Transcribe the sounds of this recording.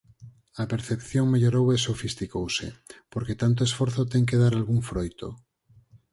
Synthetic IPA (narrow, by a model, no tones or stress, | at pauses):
apeɾθepθjoŋmeʎoɾowesofist̪ikowsḛpoɾket̪ant̪̬oesfoɾθot̪eŋk̬eðaɾalɣuɱfɾojt̪o̰